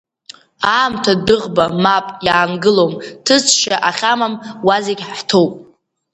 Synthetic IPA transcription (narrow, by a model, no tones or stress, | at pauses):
aːmtʰadɨʁbamapʼjaːnɡɨlomtʰɨt͡sʰʃaʔaχʲamamwaziɡʲħtʰowpʼ